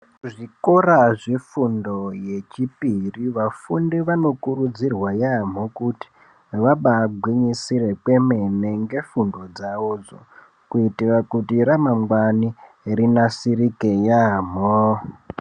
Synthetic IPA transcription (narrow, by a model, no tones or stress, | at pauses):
ʐikoraʐefundo̞je̞t͡ʃipiriʋafundiʋano̞kuɾud͡zirwajam̤okuti̥ | ʋaɓaɡʱwiɲisire̞kwe̞meneŋɡe̞fundo̞d͡zaʋod͡zo̰ | kuitirakutiɾamaŋwani | ɾinasiɾikejam̤o